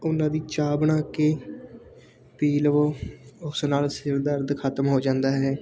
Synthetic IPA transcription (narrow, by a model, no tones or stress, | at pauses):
ʊnãːd̪iːt͡ʃaːbɳãːkeː | piːlʋoːʊsnaːlsɪɾd̪əɾd̪kʰət̪əmɦoːd͡ʒãːnd̪aːɦɛː